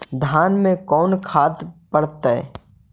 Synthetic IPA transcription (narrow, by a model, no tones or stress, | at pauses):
d̪ʱaːnmẽkɔːnkʰaːt̪pəɽt̪aɛ̰